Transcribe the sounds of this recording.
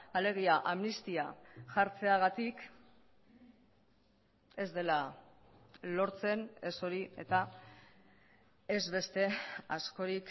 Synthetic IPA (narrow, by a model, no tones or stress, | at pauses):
ale̞ɣ̞iaʔamnist̪iaʝaɾt͡se̞aɣ̞at̪ik | e̞zd̪e̞la | lo̞ɾt͡se̞ne̞so̞ɾie̞̰t̪a | e̞zβe̞st̪e̞asko̞ɾik